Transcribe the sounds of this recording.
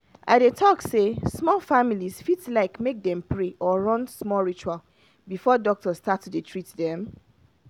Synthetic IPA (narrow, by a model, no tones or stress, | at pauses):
ʔadetʰɔksesmɔlfamilisfitslaɪkmek̚dɛ̃mpʰɹeʔɔɹɔ̃nsmɔɹit͡ʃual | bifɔdɔk̚tɔstatudutʰɹitdɛ̃m